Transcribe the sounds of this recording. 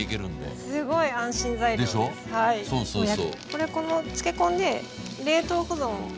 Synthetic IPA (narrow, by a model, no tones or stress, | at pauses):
ikeɾɯ̟̃nd̪ḛsɨɡo̞iãɰ̃ɕĩnzaid̪eɕohaisosoaoko̞ɾe̞ko̞no̞t͡ɕɨ̥ke̞kõ̞nd̪e̞ | ɾe̞ːt̪oːkozõɰ̰̃